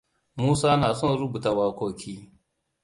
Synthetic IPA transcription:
muː˦saː˦naː˨sɔ˦˨nɾu˦bu˨ta˨waː˦kʷoː˨kʲiː˦

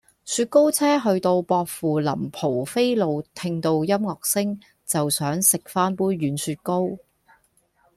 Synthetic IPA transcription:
syː˧t̚ko˥wt͡sʰɛː˥ɦɵ˧ɥt̪o˧wpɔː˧k̚fuː˨˩lɐ̰˨˩mpʰo˨˩wfe˥jlo˨˧wt̪ʰɪ˧ŋt̪o˧wjɐ˥mŋɔː˨k̚sɪ˥ŋ | t͡sɐ˨wsœː˨˥ŋsɪ˨k̚faː˥npuː˥jɥyː˨˥nsyː˧t̚ko˥w

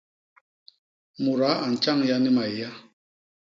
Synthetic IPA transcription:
mu˨ɾa˨˦a˨n̩˨t͡ʃa˦˨ŋja˦ni˦ma˨i˨ja˦

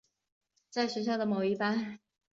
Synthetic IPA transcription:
t͡sa˥˩ɪɕɥɛ˧˥ɕjɑ˥˩ʊd̪ə˩mo˨˩ʊi˥˩pa˥n

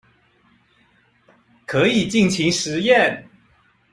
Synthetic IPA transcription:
kʰɤ˧˥i˨˩t͡ɕi˥˩ŋt͡ɕʰi˧˥ŋʂɻ̩˨˦jɛ˥˨n

